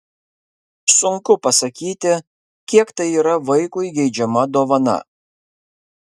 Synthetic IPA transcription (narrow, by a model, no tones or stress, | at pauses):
sʊŋkʊpɐsɐkʲiːt̪ʲɪ | kʲiɛkt̪ɐɪiːɾɐʋɐɪkʊɪɡʲɛɪd͡ʒʲɛmɐd̪oːʋɐnɐ̰